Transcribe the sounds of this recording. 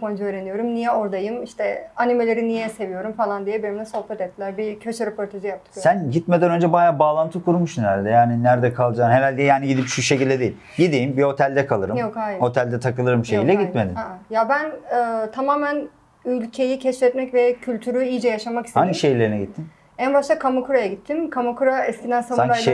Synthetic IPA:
fʰond͡ʒuøːɾe̞nijo̞ɾumnijɛo̞ɾd̪ajɯmiʃt̪ʰɛanime̞lʲe̞ɾinijɛse̞vijo̞ɾumfalˠand̪ijebiɾimd̪ɛso̞hpʰɛt̪ɛt̚t̪ʰːilʲæɾbicʰøt͡ʃuɾepʰo̞ɾt̪ʰaʒijap̚t̪ʰɯ̥kosænɟit̪med̪ænø̞nd͡ʒɛbajaːbaːlˠant̪ʰɯkʰuɾumuʃnælʲd̪ɛjaːninæɾd̪ɛkʰalˠd͡ʒaːnheɾalʲɟʲɛjaːniɟid̪ipʃuʃecilʲd̪ɛd̪ijːilʲɟid̪iːmbiho̞t̪ʰælʲd̪ɛkʰalˠɯɾɯjokajmho̞t̪ʰælʲd̪ɛt̪ʰakɯlˠɯɾɯmʃejilʲɛɡit̪med̪imjabænɯt̪ʰamaːmæn | ylʲcʰe̞jicʰɛʃfɛt̪mɛcvɛcʰylʲt̪ʰyɾyijd͡ʒɛjaʃamaki̥st̪aniʃejlʲeɾinɛɟit̪ʰːim | ænbaʃt̪ʰˠakʰamakuɾajaɟit̪ʰːimkʰamakuɾaɛskʲcind̪ænsaaŋj

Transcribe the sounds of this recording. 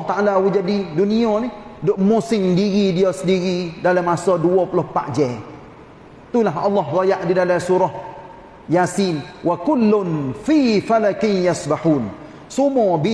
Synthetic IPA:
t̪aʔalawid͡ʒadiduniɔnidʊʔmusɪŋdiɣidiɔsədiɣidalamːasɔduɔpulʊhpa̰ʔd͡ʒɛ | t̪ulaɦɑlːɔɦɡɔjaʔdidalasuɾɔh | jasinwakʊlːʊnfifalakɪnjasbaħun | sumɔbi

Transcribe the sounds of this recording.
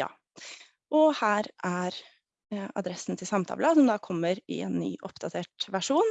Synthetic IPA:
jɑ̰ː | ʔɔhæːɾʔæɾ | ɑ̰d̪ɾɛsn̩t̪ʰɪlsɑmt̪ʰɑ̰ːləsɔmd̪ɑːkʰɔmːəɾɪ̰ɛ̰ːnːy̰ːʔɔpd̪ɑt̪ʰeːʈʋæʂuːn

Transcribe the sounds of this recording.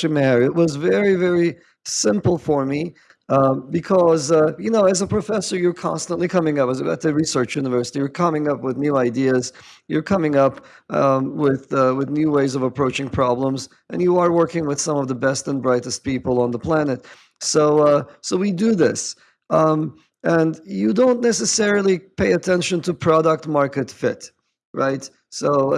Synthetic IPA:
ɨmæɹɨt̚wʌzvɛɹivɛɹi | sɪ̃mpl̩ˠfə˞mi | bɨkʰʌzjɨnoʊɨzəpʰɹ̥ɨfɛsə˞jə˞kʰɑ̰̃nstə̃nʔlikʰʌmɪ̃ŋʌpɨzɨbaʊt̪ɨɹisɜ˞t͡ʃjʉnəvɜ˞sɨɾijə˞kʰʌ̃mɪ̃ŋʌpwɨðnjʉaɪdiɨz̥ | jə˞kʰʌmɪ̃ŋʌp | wɪðwɨðnjʉweɪzʌvəpʰɹ̥oʊt͡ʃɪ̃ŋpʰɹ̥ɑblə̃mz | ʔɨ̰̃njəə˞wɜ˞kɪ̃ŋwɨð̥sʌ̃mʌvðəbɛstə̃nbɹaɪɾɨst̚pipl̩ˠə̃nðəpʰl̥ænɨt̚ | soʊsoʊwidɨðɪs | ɨ̃njɨdõʊ̃nːɛsɨsɛɹl̩ˠipʰeɪɨtʰɛ̃nʃɨ̃ntʰɨpʰɹ̥ɑɾək̚t̚mɑɹkɨtfɪt | ɹaɪt | soʊ

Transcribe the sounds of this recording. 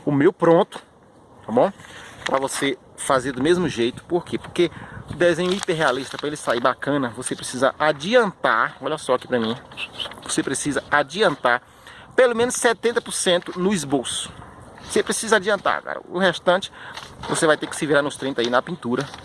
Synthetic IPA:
ʊmewpɾõnt̪ʊ̥ | t̪abõw̃pɾɐvose | fazeɾd̪ʊmezmʊʒejt̪ʊ̥poɾkepoɾkeʊd̪ezẽɲʊipeɾɦealiʃt̪ɐpɾɐelɪsaibakɐ̃nɐvosepɾesizɐʔad͡ʒiɐ̃nt̪aɾɔʎɐsɔaki̥pɾɐmĩvosepɾesizɐad͡ʒiɐ̃nt̪aɾ | pelomẽnʊssɛt̪ẽnt̪ɐpʊɾsẽnt̪ʊnʊizbosʊ̥osepɾesizɐad͡ʒiɐ̃nt̪a̰ɾka̰ɾɐ̰ʊheʃt̪ɐ̃t͡ʃɪ̥vosevajt̪ekɪ̥sɪviɾaɾnʊst̪ɾẽt̪zainɐpĩnt̪uɾɐ

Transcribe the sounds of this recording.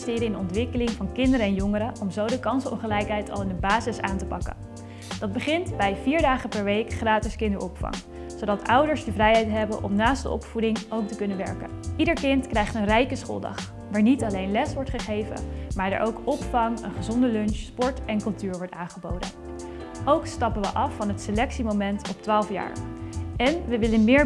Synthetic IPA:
stɪːɾəɪnɔntʋɪkəlɪŋvɑnkɪndəɾəɛnjɔŋəɾəʔɔmzowdəkɑnsəɔ̰mχəlɛjkɦɛjtʰɑ̰lˠɪndəbaːzɪsaːntəpɑkə̰n | d̥ɑd̚bəχɪntbɛjviːɹdaːχəpɛɹʋejkχraːtɪskɪndəɹʔɔpfɑ̰ŋ | sowdɑtʰʌwdəɹsdəvrɛjɛjtɦɛbənʔɔ̰mnaːstdə̰ʔɔ̰pfudɪŋowk̚təkɵnənʋɛ̰ɹkə̰nʔidəɹkɪntkrɛjχtənrɛjkəsχo̰ːlˠdɑ̰χ | ʋaːɹnitɑlejnlɛsʋɔɹtχəχejvə̰nmaːɹdə̰ɹʔowkɔpfɑŋə̰nχəzɔndəlɵnʃspɔɹtɛnkɵlˠtyːɹʋɔɹtaːnχəbo̰wdə̰n | ʔowkstɑpəʋə̰ʔɑfːɑnɦətselɛksimowmɛntɔp̚tʋaːlˠfja̰ːɹɛnʋəʋɪlənmɪːɹ

